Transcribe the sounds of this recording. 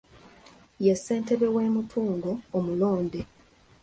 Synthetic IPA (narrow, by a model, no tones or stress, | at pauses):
jesːe̞ːnte̞βe̞we̞ːmutʰuːŋɡoːmulo̞ːnde